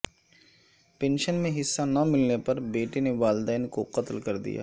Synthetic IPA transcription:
pẽnʃənmẽɦɪsːanɐmɪlnepɐɾbeːʈeneʋaːld̪ɛːnkoqɐt̪lkɐɾd̪ḭja̰ː

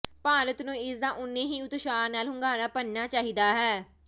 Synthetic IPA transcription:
paːɾət̪nũːɪsd̪ãːʔʊnːẽːɦiːʊt̪ʃaːɾnaːlɦʊŋɡaːɾaːpənnaːt͡ʃaːɦiːd̪aːɦɛː

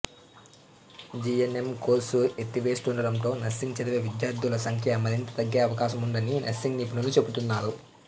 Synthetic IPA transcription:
d͡ʒienemkoːsuet̪ːiʋeːsʈuːɳɖɐɾɐmt̪o̞ːnɐsːiŋɡt͡ʃɐd̪ɐʋeːʋid̪jaːɾd̪ʱulɐsɐŋkʰjɐɐmɐd̪int͡ʃɐ̥t̪ɐɡːeːɐʋɐkaːʃɐmuɳɖɐninʔɐsiŋɡniːpunɐlut͡ʃe̞but̪unːaːɾu

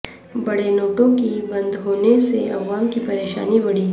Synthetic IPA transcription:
bɐɽenoːʈõkibɐ̃nd̪ɦoːneseɐ̰ʋaːmkipɐɾeːʃa̰ːnibɐɽiː

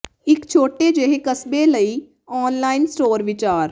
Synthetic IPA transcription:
ɪkt͡ʃʰoːʈed͡ʒeɦekəsbeləi | ɔːnlaːɪnsʈoːɾʋɪt͡ʃaːɾ

